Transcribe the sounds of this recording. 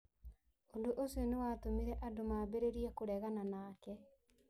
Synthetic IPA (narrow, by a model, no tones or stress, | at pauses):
ondoʔosionewatomiɾɛʔadomabeɾeɾiɛkoɾɛɣananaːkɛ